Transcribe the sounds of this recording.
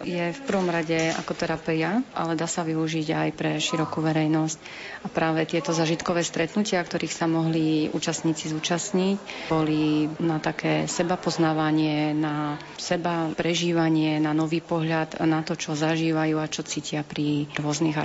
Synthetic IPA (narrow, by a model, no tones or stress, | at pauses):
jɛfpr̩ʋɔmɾaɟɛa̰kɔt̪ɛɾapɛjaʔa̰lɛd̪aːsaʋiuʒiɟajpɾɛʃiɾɔkuːʋɛɾɛjnɔsc | apɾaːʋɛt̪ɪɛt̪ɔzaːʒit̪kɔʋɛːst̪ɾɛt̪nucɪakt̪ɔɾiːxsamɔɦliṵːt͡ʃast̪ɲiːt͡sizuːt͡ʃasɲicbɔlinat̪akɛːsɛbapɔznaːʋaɲɪɛna | sɛbapɾɛʒiːʋaɲɪɛnanɔʋiːpɔɦʎad̪nat̪ɔt͡ʃɔzaʒiːʋajuːat͡ʃɔt͡siːcɪapɾiɾʊɔzniɣa